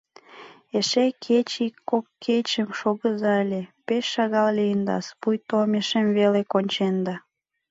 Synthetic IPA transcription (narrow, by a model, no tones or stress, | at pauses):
eʃekʰet͡ɕikːokːʰet͡ɕəmʃoɣəzɑəlʲepeʃːɑɣɑllijənd̪ɑ̰spujt̪omeʃemvelekonʲt͡ɕend̪ɑ